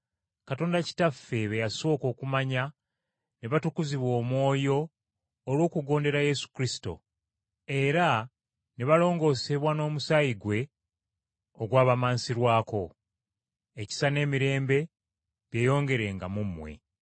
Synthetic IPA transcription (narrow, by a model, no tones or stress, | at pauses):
kato̞ːndaci̥tafːe̞βejaso̞ːko̞ːkumaɲa | neβatukuziβwo̞ːmwo̞ːjo̞ː | lwo̞ːkuɡo̞ːnde̞ɾaje̞su̥kɾisi̥to̞̰ | e̞ɾa | neβalo̞ːŋɡo̞ːse̞βwano̞ːmusajiɡwe̞ | oɡwaːβamaːnsiɾwaːko̞ | eci̥sane̞ːmiɾe̞ːmbe̞ | βje̞ːjo̞ːŋɡe̞ɾe̞ŋɡamumːwe̞̰